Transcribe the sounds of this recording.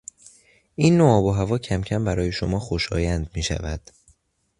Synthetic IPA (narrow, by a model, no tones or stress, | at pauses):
ʔinːoɒːboɦævɒːcʰæmcʰæmbæɾɒːje̞ʃomɒːxoʃɒ̰ːjænd̪miːʃæ̰væd̪̥